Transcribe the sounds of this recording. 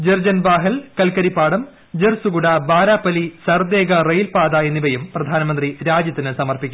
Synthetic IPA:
d͡ʑerd͡ʑɐnbaːɦɐlkɐlkɐɾipːaːɽɐm | d͡ʑersuɡuɽɐbaːɾaːpːɐlisɐrd̪eːɡɐrejlpaːd̪ɐenːiʋɐjumprɐd̪ʱaːnɐmɐnd̪riɾaːd͡ʑjɐt̪ːinɨsɐmɐrpikʲːu

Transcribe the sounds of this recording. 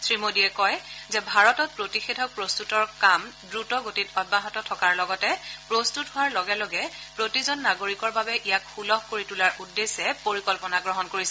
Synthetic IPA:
sɹimodiɛkɔjzɛbʱaɹɔtɔt̚pɹotixedʱɔk̚pɹostutɔɹkamdɹutɔɡotitɔd̚baɦɔtɔtʰɔkaɹlɔɡɔtɛpɹostutɦʊwaɹlɔɡɛlɔɡɛpɹotizɔnːaɡoɹikɔɹbabɛʔijakxulɔxkoɹitulaɹʔudːesɛpoɹikɔlpɔnaɡɹɔɦɔnkoɹisɛ

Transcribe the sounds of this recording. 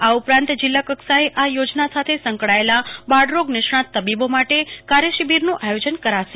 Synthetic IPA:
aupɾãnt̪d͡ʒɪlːakəksaeʔajod͡ʒnasat̪ʰesə̃ŋkɽaelabaɖɾoɡnɪʃɳ̃at̪əbibomaʈekaɾjəʃibʱiɾnũʔajod͡ʒənkəɾaʃe

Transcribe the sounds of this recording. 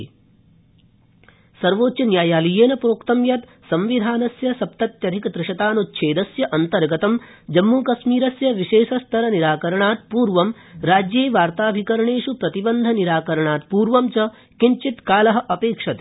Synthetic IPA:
sɐɾʋoːtt͡ʃɐnjaːjaːlijeːnɐpɾoːkt̪ɐmjɐt̪ | sɐmʋid̪ʱaːnɐsjɐsɐp̚t̪ɐt̪jɐɾʱikɐd̪ɾɪʂɐt̪aːnutːʃʰeːd̪ɐsjɐʔɐnt̪ɐɾɡɐt̪ɐmd͡ʒɐmːuːkɐsmiːɾɐsjɐʋiʃeːʃɐst̪ʰɐɾɐniɾaːkɐɾɐɳaːt̪̚puːɾʋɐm | ɾaːd͡ʒjeːʋaːɾt̪aːbʱikɐɾɐɳeːʂupɾɐt̪ibɐnd̪ʱɐniɾaːkɐɾɐɳaːt̪̚puːɾʋɐmt͡ʃɐ | kiɲt͡ʃit̪kaːlɐɦɐ̆ʔɐpeːkʂɐt̪

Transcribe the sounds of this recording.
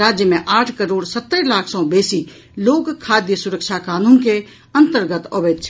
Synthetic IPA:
aːd͡ʒjəmẽʔaːʈʰkəɾoːɽsət̪ːəɾlaːkʰsɔ̃beːsi | loːɡkʰːaːd̪jəsʊɾəkʃʰakaːnũːnke | ɐ̃nt̪əɾɡət̪oːʋeːt̪t͡ʃʰ

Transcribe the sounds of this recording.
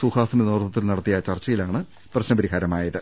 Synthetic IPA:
suhaːsɐmenoːrt̪ːɐt̪ːilnɐɽɐt̪ːijɐt͡ɕɐrt͡ɕːɐjilaːɳɨ | prɐɕnɐbɐɾiɦaːɾɐmaːjɐðɨ

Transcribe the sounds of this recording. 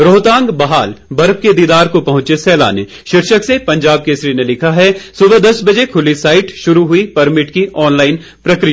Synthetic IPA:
ɾoːt̪ãːŋɡbɐɦaːlbɐɾb̚ked̪iːd̪aːɾkopɐɦʊ̃t͡ʃesɛːla̰ːnḛ | ʃɪɾʃəksepɐ̃ɲd͡ʒaːb̚kesɾiːnelɪkʰaɦɛsʊbəd̪ɐsbɐd͡ʒekʰʊlisaːɪʈʃʊɾuɦʊipɐɾmɪʈkiʔɔːnlaːɪn | pɾɐkɾɪija

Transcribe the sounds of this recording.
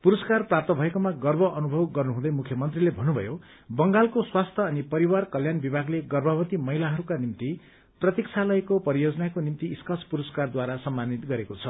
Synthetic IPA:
puɾʌskarprap̚t̪ʌbʱʌekomaɡʌrbʱʌʔʌnubʱʌbɡʌrnuɦũd̪ʌjmukʰjʌmʌnt̪rilebʱʌnubʱʌ̰jo | bʌŋɡalkoswast̪ʰʌːnipʌɾiwarkʌljanbibʱaɡleɡʌrbʱʌbʌt̪imʌɦilaɦʌɾukanimt̪i | prʌt̪ikt͡sʰalʌjkopʌɾijod͡zʌnakonimt̪iːskʌt͡sʰpuɾʌskard̪waɾasʌmːanit̪ɡʌɾekot͡sʰʌ

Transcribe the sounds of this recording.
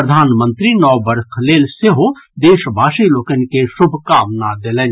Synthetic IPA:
ɾəd̪ʱaːnmə̃nt̪ɾinɔːbəɾkʰleːlseɦod̪eːʃbʱaːʃiloːkənkesʊbʱkaːmnad̪elen

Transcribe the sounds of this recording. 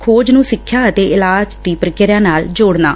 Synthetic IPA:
kʰoːd͡ʒnũːsɪkʰːjaːət̪eːʔɪlaːd͡ʒd̪iːpəɾəkɪɾjãːnaːld͡ʒoːɽna̰ː

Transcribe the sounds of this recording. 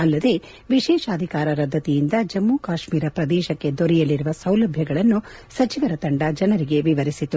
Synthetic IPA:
ɐlːɐd̪e̞ | ʋiʃɛːʃɐːd̪ʱikaːɾɐɾɐd̪ʱːɐt̪ijind̪ɐd͡ʒɐmːuːkaːʃmiːɾɐpɾɐd̪ɛːʃɐkːe̞d̪oɾɛjɐlːiɾuʋɐsɐwlɐbʱjɐɡɐɭɐnːusɐt͡ʃiʋɐɾɐt̪ɐɳɖɐd͡ʒɐnɐɾiɡe̞ʋiʋɐɾisit̪ːu

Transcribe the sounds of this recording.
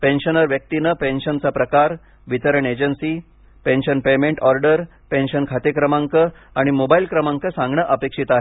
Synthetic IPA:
penɕənəɾʋjək̚t̪inəpenɕənt͡sapɾəkaɾ | ʋit̪əɾəɳed͡ʑənsiː | penɕənpemẽɳʈɔɾɖəɾ | penɕənkʰat̪ekɾəmaŋkəaɽ̃imobailkɾəmaŋkəsãŋɡɳəʔəpekʂit̪aɦe

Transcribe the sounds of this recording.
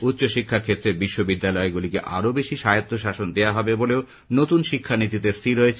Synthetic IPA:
utːɕoʃikʰːaɾkʰet̪ːɾebiʃːobid̪ːalɔeɡulikḛʔa̰ɾobeʃiʃajot̪ʰːoʃaʃond̪eaɦɔbeboleo | not̪unʃikʰːanit̪it̪eɾst̪ʰiɾoet͡ɕʰ

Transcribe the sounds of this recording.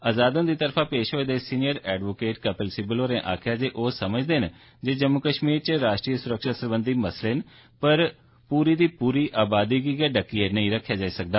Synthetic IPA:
aːzaːd̪õːd̪iːt̪əɾfʰãːpeːʃɦoːeːd̪eːsiːnɪjəɾɛːɖʋoːkeːʈkɛpəlsɪbəloːɾẽːʔaːkʰɪjaːd͡ʒeːʔoːsəməd͡ʒd̪eːɦn | d͡ʒeːd͡ʒəmːʊkəʃmiːɾt͡ʃɾaːʃʈɾiːəsʊɾəkʃaːsəɾbə̃nd̪iːməsleɦn | pəɾ | puːɾiːd̪iːpuːɾiːʔaːbaːd̪iːɡiːɡɛːɖəkːieːnəĩːɾəkʰːjaːd͡ʒaːiːsək̚d̪aː

